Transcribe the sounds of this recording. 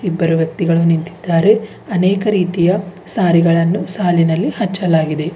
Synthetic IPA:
ibːɐɾuʋjɐk̚t̪iɡɐɭunint̪i̥d̪̥ːaːɾe̞ | ɐnɛːkɐɾiːt̪ijɐsaːɾiɡɐɭɐnːusaːlinɐlːihɐt͡ʃːɐlaːɡid̪e̞

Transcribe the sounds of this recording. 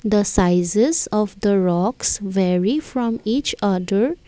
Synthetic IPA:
d̪əsaɪzezɔʋd̪əɾɔksʋɛɹifɾɔ̃miːt͡ʃʌd̪əɾ

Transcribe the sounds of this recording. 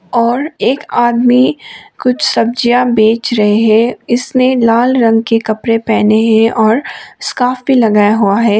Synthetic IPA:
ɔːɾeːkaːd̪mikʊt͡ʃʰsɐb̚d͡ʒijabeːt͡ʃɾɐɦeɦɛ̃ɪsnelaːlɾɐ̃ŋɡkekɐpɾepɛːneɦɛ̃ʔɔːɾskaːfbʱilɐɡaːjaɦuaɦɛː

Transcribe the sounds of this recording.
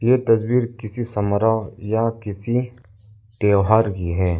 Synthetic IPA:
jeːt̪ɐsbiːɾkɪsisɐməɾajakɪsi | t̪eːɦaːɾkiɦɛː

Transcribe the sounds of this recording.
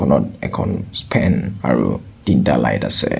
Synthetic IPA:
ɔnɔt̚ɛkʰɔ̃nspʰɛ̃naɹudintalajdasɛ

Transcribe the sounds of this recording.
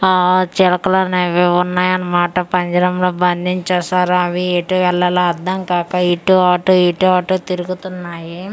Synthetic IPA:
t͡ʃɛlɐkɐlɐneʋeunːaːjɐnːɐmaːʈɐpɐɲd͡ʒɐɾɐmloːbɐnd̪iɲt͡ʃɐːsaːɾuɐʋieʈuʋɛɭːɐlaɐd̪ːɐŋkaːkɐiʈːuaːʈoːiʈuaːʈoːt̪iɾuɡut̪unːaːji

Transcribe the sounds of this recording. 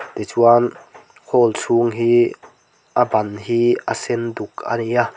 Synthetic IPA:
t̪et͡suan | hʰɔːlsuŋɦiː | ʔabanɦiːʔasenduk̚a̰nia

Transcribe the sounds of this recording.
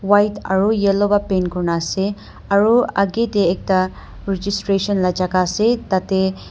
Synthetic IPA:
wajt̪ɐ̰ɾujelobapenkuɾnase | ɐɾuɐɡet̪eːk̚t̪a | ɾid͡ʒisʈɾeʃɐnlɐd͡ʒakaset̪ɐt̪e

